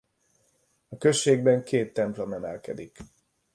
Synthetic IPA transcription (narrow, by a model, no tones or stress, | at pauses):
ɒkø̞ʃːeːɡbɛŋkʰeːt̪ːɛmplomɛmɛ̰lkɛd̪ik